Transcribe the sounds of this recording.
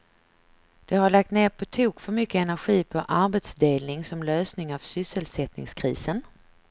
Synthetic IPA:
d̪̥ɛɦaɭak̚t̪neːɾpʰɔt̪ʰuːkfœɾmʏkːəɛnæɾɧiːpʰɔʔaɾbet̪sd̪eːlnɪŋsɔmløːsnɪŋavsʏsːəlsɛt̪nɪ̰ŋskʰɾḭːsən

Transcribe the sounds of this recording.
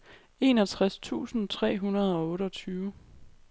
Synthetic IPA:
e̝ːnɒ̽t͡sʰʁast͡sʰṵːsn̩t͡sʰʁɛ̰ːɦunɐð̞̩ˠɒ̽ɔ̽ːɾəɒ̽t͡sʰyːʊ

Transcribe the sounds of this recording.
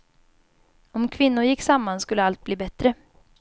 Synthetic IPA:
ɔmkʰvɪnːʊɾjɪkːsamːanskɵlːəalt̪̚bliːbɛt̪ɾə

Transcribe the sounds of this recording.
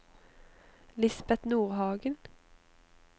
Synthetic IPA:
lɪsbɛt̪nuːʁhɑːɡən

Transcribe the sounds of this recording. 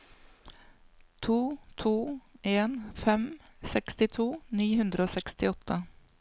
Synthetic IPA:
t̪ʰuːt̪ʰuːʔeːnfɛmsɛkst̪ɪt̪ʰuːniːhʉnd̪ɾəoːsɛkst̪ɪɔt̪ʰːə

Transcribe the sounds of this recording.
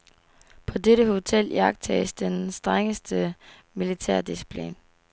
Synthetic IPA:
pʰɒ̽deɾəho̝t͡sʰel̰jɑ̈ɡ̥̚t͡sʰɛ̰ːsd̥ensd̥ʁaŋəsd̥ə | milit͡sʰæɐ̰d̥isi̥pʰlḭn

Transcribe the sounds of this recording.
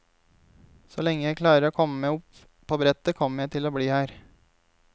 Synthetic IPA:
solɛŋːəjæɪkʰlɑːɾəɾoːkʰɔməmeːʊp | pʰːoːbɾɛt̪əkʰɔmːəjæɪt̪ʰɪloːbliːhæːɾ

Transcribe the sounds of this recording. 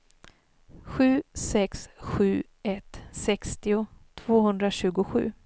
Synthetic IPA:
ɧʉ̟ːsɛksɧʉ̟ː | ɛt̪sɛkst̪ɪʊt̪ʰv̥oːhɵnd̪ɾaɕʉ̟ːɡʊɧʉ̟̰ː

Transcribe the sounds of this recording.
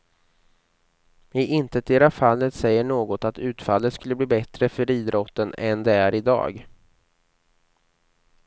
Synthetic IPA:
ɪʔɪnt̪ət̪̚d̪eːɾafalːət̪sɛjːəɳoːɡɔt̪at̪ʉ̟ːt̪falːət̪skɵlːəbliːbɛt̪ɾəfœɾiːd̪ɾʔɔt̪ːənɛnd̪ɛæɾɪd̪ɑ̰ːɡ

